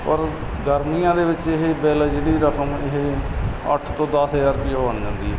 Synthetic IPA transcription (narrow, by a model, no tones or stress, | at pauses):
pəɾ | ɡəɾmijãːd̪eːʋɪt͡ʃɪɦebɛːləːd͡ʒeːɽiːɾəkʰəmɪɦeə̰ʈʰt̪õːd̪əsɦəd͡ʒaːɾpɪjaːbəɳd͡ʒãːnd̪iːɦɛː